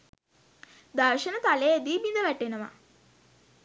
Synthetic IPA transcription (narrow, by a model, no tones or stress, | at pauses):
d̪aɾʃənət̪aleed̪iːbind̪əʋæʈenəʋa̰